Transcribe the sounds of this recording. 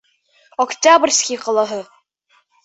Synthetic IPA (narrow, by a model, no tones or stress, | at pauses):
ɔktʲabrʲskʲiqɤ̆lˠɑɦɤ